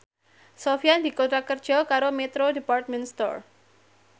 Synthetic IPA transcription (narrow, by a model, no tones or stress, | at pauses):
sofiandikot̪ɾakərd͡ʒɔkaɾomɛt̪ɾodipart̪̚mɛnst̪ɔ̰r